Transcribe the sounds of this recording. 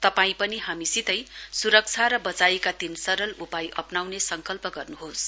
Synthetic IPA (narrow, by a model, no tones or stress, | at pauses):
t̪ʌpaĩpʌniɦamisit̪ʌjsuɾʌk̚t͡sʰaɾʌbʌt͡saekad̪insʌɾʌlupajʔʌpnawnesʌŋkʌlpʌɡʌrnuɦos